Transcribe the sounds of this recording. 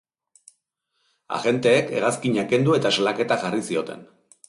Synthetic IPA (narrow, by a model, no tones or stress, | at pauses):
a̰ɣe̞nt̪e̞ːke̞̰ɣaskiɲake̞nd̪ue̞t̪asalake̞t̪aʝarisio̞t̪e̞̰n